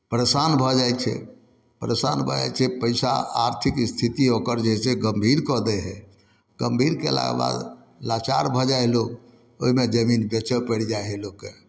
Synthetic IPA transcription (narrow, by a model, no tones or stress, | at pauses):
pəɾesanbʱɔd͡ʒajt͡ʃʰɛ̰ | pəɾesanbʱɔd͡ʒa̰jt͡ʃʰɛpəɪsa̰aɾt̪ʰikst̪ʰit̪iokəɾd͡ʒeɦɛseɡəmbʱiɾkɔd̪ɛɦɛ | ɡ̥əmbʱiɾkḛla̰ɡba̰d̪ | lat͡ʃa̰ɾbʱɔd͡ʒaelok | o̰ɦimed͡ʒəminbɛt͡ʃəpəɽd͡ʒaɦeloke